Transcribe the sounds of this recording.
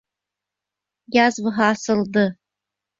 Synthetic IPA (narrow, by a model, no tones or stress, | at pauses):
jazvɨɦaːsɨldɨ